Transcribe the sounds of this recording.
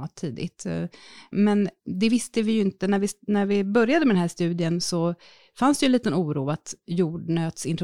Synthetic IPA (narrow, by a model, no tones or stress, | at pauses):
t̪ʰːiːd̪ɪ̰t̪ | mɛnd̪ɛvɪst̪əvɪjɵɪnt̪ənæɾvɪnæɾvɪbœɾjad̪əmɛd̪ɛnɦæʂt̪ʉ̟ːd̪ɪənsɔ | fansd̪ɛjɵnliːt̪ənuːɾuːat̪juːɖɳøːt̪sɪnt̪ɾ